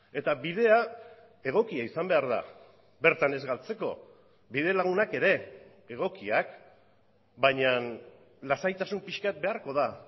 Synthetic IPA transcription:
e̞t̪abið̞e̞a | e̞ɣ̞o̞kiaisambe̞aɾða̰ | be̞ɾt̪ane̞zɣalt͡se̞ko̞̰ | bið̞e̞laɣ̞unake̞ɾe̞ | eɣ̞o̞kiak | baɲan | lasajt̪asumpiʃkat̪̚be̞aɾko̞ð̞a

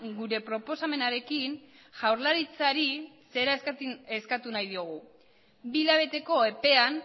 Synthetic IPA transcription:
ɡuɾe̞pɾo̞po̞same̞naɾe̞kin | ʝawɾlaɾit͡saɾise̞ɾaseskat̪unajðio̞ɣ̞u | bilaβ̞e̞t̪e̞ko̞e̞pe̞an

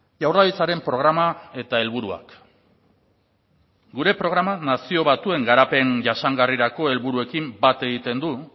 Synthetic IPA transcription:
ʝawraðit͡saɾe̞mpɾo̞ɣ̞ɾamae̞t̪ae̞lβuɾua̰k | ɡuɾe̞pɾo̞ɣ̞ɾamanasio̞βat̪ue̞ŋɡaɾape̞ŋʝaʃaŋɡariɾako̞e̞lβuɾue̞kimbat̪e̞ɣ̞it̪e̞nd̪u

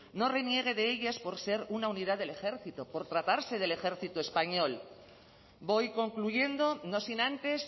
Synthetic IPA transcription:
no̞re̞nje̞ɣ̞e̞ðe̞eʎaspo̞ɾse̞ɾunaunið̞aðele̞xe̞ɾθit̪opo̞ɾt̪ɾat̪aɾse̞ð̞e̞le̞xe̞ɾθit̪oespaɲo̞l | bo̞jko̞ŋkluʝe̞nd̪o̞no̞sinãnt̪e̞s

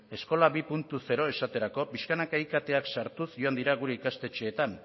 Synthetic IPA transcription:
e̞sko̞laβipunt̪use̞ɾo̞e̞sat̪e̞ɾako̞piskanakajkat̪e̞aksaɾt̪usʝo̞and̪iɾaɣuɾe̞ikast̪e̞t͡ʃe̞ːt̪an

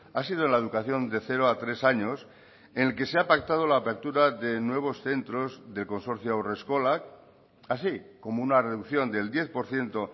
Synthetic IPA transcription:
asið̞oenlaeðukaθjo̞nd̪e̞θe̞ɾoat̪ɾe̞saɲo̞s | enelke̞seapak̚t̪að̞o̞laːpe̞ɾt̪uɾaðe̞nwe̞β̞o̞sθe̞nt̪ɾo̞zðe̞lko̞nso̞ɾθjoawre̞sko̞lak | asiko̞mounare̞ðukθjo̞nd̪e̞ld̪je̞θpo̞ɾθje̞nt̪o̞

